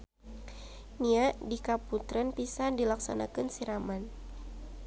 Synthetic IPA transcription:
niaʔdikaput̪ɾənpisandilaksa̰na̰kɨnsiɾaman

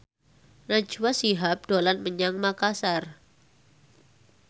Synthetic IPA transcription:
nḁd͡ʒ̥uwasiɦap̚d̥olanməɲaŋmakasar

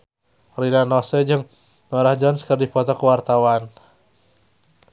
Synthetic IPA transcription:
rinanɔsɛd͡ʒɨŋ | nɔɾahd͡ʒɔnskərdifɔt̪ɔkəwart̪awan

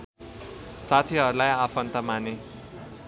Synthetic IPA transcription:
sat̪ʰiɦʌɾulajapʰʌnt̪ʌmane

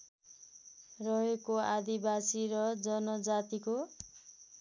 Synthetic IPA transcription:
rʌɦekoad̪ibasiɾʌd͡zʌnʌd͡zat̪iko

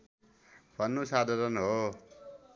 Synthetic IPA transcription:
b̥ʱʌnːosad̪ʱaɾʌnɦo

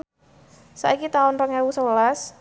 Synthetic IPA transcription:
sa̰ikit̪aʊnrəŋjawusəwlas

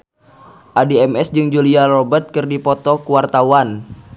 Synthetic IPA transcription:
ʔadiɛmɛsd͡ʒɨŋd͡ʒuliarobət̪̚kɨrdipɔt̪ɔkuwart̪awan

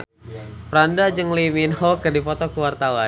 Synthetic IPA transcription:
pəɾandad͡ʒɨŋliminhɔkərdipɔt̪ɔkəwart̪awa

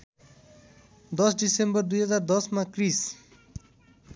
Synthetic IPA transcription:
d̪ʌsɖisembəɾd̪uɦʌzaːɾd̪ʌsmãkɾis

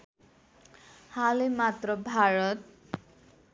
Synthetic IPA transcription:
halemat̪rʌbʱaɾʌt̪̚

